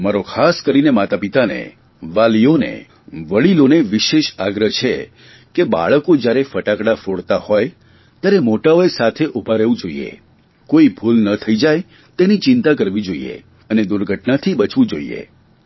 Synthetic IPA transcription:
maɾokʰaskəɾinemat̪apit̪anḛ | ʋalionḛ | ʋəɭiloneʋɪʃeʃaɡɾəɦt͡ʃʰe | keba̰ɭəkod͡ʒjaɾefəʈakɽafoɽt̪ahɔj | t̪jaɾemoʈaojsat̪ʰeʔubʱaɾeʋũd͡ʒoḭḛ | koibʱulnət̪ʰəid͡ʒaj | t̪enit͡ʃɪnt̪akəɾʋid͡ʒoḭḛ | əned̪uɾɡʱəʈnat̪ʰibət͡ʃʋĩd͡ʒo̰ḭḛ

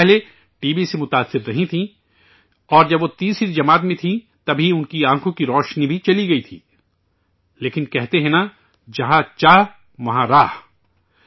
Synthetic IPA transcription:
ɛɦle | ʈiːbisemʊt̪aːsːɪɾːɐɦĩt̪ʰĩ | ɔːɾd͡ʒɐbʋot̪iːsɾid͡ʒɐmaːt̪mẽt̪ʰĩ | t̪ɐbʱiʊnkiãːkʰõkiɾɔːʃnibʱit͡ʃɐliɡɐit̪ʰḭː | leːkɪnkɛɦt̪eɦɛ̃na | d͡ʒɐɦãt͡ʃaːɦ | ʋɐɦãɾaːɦ

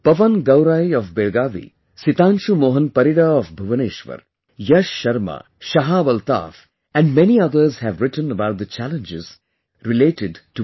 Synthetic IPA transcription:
pɐʋənɡɐwɾaːiɔfbeɭɡaːʋḭ | sit̪ãːnʃumoːɦənpɐɾiɽaɔfbʱɐʋəneːʃʋə̰ɾ | jʌʃːɐɾma̰ | ʃɐɦaːʋɐlt̪a̰ːf | ɛ̃nɖmɛniʌd̪əɾzhæʋɾɪʈə̃nəbaʊʈ̚d̪ət͡ʃælə̃nd͡ʒɪz | ɾɪleːʈɪɖʈu

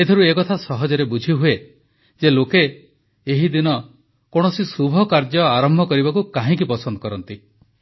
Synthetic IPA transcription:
et̪ʰɔɾuekɔt̪ʰasɔɦɔd͡ʒɔɾebud͡ʒʱiɦue | d͡ʒeloke | eɦid̪inɔ | koɽ̃ɔsisubʱɔkaɾd͡ʒɔaɾɔmbʱɔkɔɾiβakukaɦĩk̬ipɔsɔnd̪ɔkɔɾɔnt̪i

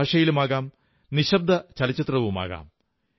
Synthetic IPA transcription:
aːʂɐjilumaːɣaːm | niɕɐb̚d̪ʱɐt͡ɕɐlɐt͡ɕːɐt̪rɐʋuma̰ːɣa̰ːm

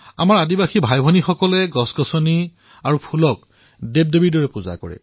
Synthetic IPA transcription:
a̰maɹadibaxibʱajbʱɔnixɔkɔlɛɡɔsɡɔsɔni | aɹupʰulɔk̚ | deb̚debiɹdɔɹɛpuza̰kɔ̰ɹɛ̰

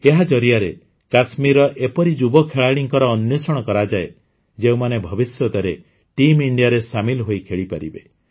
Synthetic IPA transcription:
eɦad͡ʒɔɾijaɾe | kasmiɾɔʔepɔɾid͡ʒubɔkʰeɭaɽ̃iŋkɔɾɔːnjosɔɽ̃ɔkɔɾad͡ʒae | d͡ʒeũmanebʱɔbisjɔt̪ɔɾe | ʈimiɳɖijaɾesamilɦojkʰeɭipaɾibe

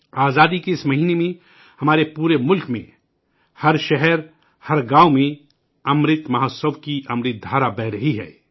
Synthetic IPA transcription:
aːzaːd̪ikeɪsmɐɦiːnemẽ | hɐmaːɾepuːɾemʊlkmḛ̃ | hɐɾʃɛɦɛɾ | hɐɾɡaːomẽ | ɐmɾɪt̪mɐɦəsəʋkiʔɐmɾɪt̪̚d̪ʱaːɾabɛɦɾɐɦiɦɛ̰ː

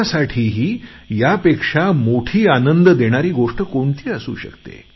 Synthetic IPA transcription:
saʈʰiːɦiː | japekʂamoʈʰiːanənd̪əd̪eɽ̃aɾiːɡoʂʈəkoɳt̪ʰiːəsṵːɕə̰kt̪ḛ

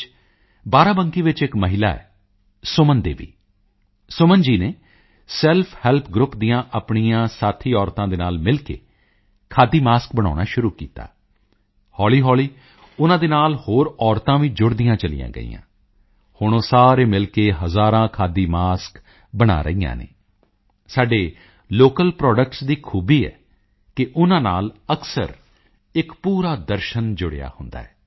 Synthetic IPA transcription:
baːɾãːbəŋkiːʋɪt͡ʃɪkməɦɪlaːɛ̰ː | sʊmənd̪ḛːʋḭː | sʊmənd͡ʒiːneː | sɛlpʰhɛːlpʰɡɾʊpd̪ijãːʔəpɳijãːsaːt̪ʰiːɔːɾt̪ãːd̪eːnaːlmɪlkḛː | kʰaːd̪iːmaːsk̚bəɽ̃a̰ːña̰ːʃʊɾuːkḭːt̪a̰ː | hɔːliːɦɔːliː | ʊnãːd̪eːnaːlhoːɾɔːɾt̪ãːʋĩːd͡ʒʊɽd̪ijãːt͡ʃəlɪ̰jã̰ːɡə̰ḭːjã̰ː | hʊɳ̃õːsaːɾeːmɪlkeːɦəzaːɾãːkʰaːd̪iːmaːsk | bəɽa̰ːɾə̰ijã̰ːnḛː | saːɖeː | loːkəlpɾɔːɖək̚ʈsd̪iːkʰuːbiːɛ̰ː | kɪʔʊnãːnaːləksə̰ɾ | ɪkpuːɾaːd̪əɾʃənd͡ʒʊɽḛja̰ːhʊnd̪a̰ːɛː

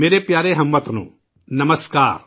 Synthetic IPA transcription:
meːɾepjaːɾeɦɐmːɐt̪ɐnṵ | nɐmɐska̰ːɾ

